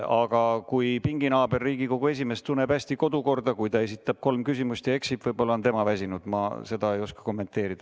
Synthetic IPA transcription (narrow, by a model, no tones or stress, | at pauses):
ɑɡ̥ɑkujpiŋɡ̥inɑːbe̞rːiːɡiko̞ɡ̥ue̞s̬ime̞st̪t̪unːebæsʲt̪iko̞d̪uko̞rd̪̥ɑkujt̪ɑe̞s̬it̪ːˑɑb̥̚ko̞lmkysimust̪jɑeksipvɤjbo̞lːɑont̪e̞mɑvæs̬ʲinud̪̥mɑ̰se̞d̪̥ɑe̞jo̞skɑ̥ko̞mːe̞nt̪ːˑe̞ːɾid̥̪ɑ